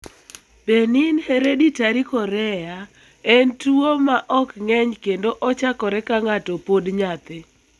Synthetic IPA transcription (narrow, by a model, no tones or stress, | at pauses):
beninheɾeditaɾikɔɾɛja | entuomaʔɔkŋɛɲkendoʔɔt͡ʃakɔɾɛkaŋatɔpodɲat̪ɪ